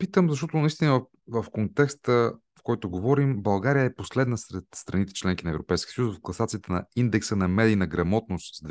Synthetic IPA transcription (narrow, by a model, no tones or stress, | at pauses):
pit̪əmzɐʃt̪ɔt̪ʊnɐist̪inə | vəfkont̪ɛkst̪ə | fkɔjt̪oɡovɔɾimbɐlˠɡaɾijəɛposlɛd̪nəsɾɛt̪st̪ɾɐnit̪ɛ̥t͡ʃlɛŋk̟inɐɛvɾopɛjskʲiəsəjusvɐfklˠɐsat̪siːt̪ɛnɐ̰ind̪ɛksənɐmɛd̪iːnɐɡɾɐmɔt̪nost̪sd̪v